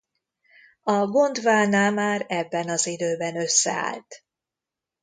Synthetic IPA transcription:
ɒɡo̞nd̪vaːnaːmaːɾɛbːɛnɒzid̪øːbɛnø̞sːɛ̰a̰ːlt̪

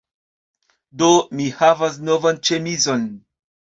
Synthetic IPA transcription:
do̞mihavas̬no̞vant͡ʃe̞mizo̞n

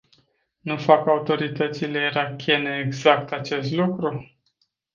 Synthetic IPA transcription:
nufakaut̪o̞ɾit̪ət̪sile̞iɾakʲʰe̞neːɡzakt̪at͡ʃe̞st̪lukɾu

